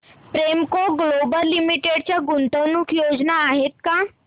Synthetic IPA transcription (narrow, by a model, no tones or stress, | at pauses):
pɾemkoɡlobəlːimiʈeɽt͡ɕjaɡunt̪əwnukjod͡znaːɦet̪̚ka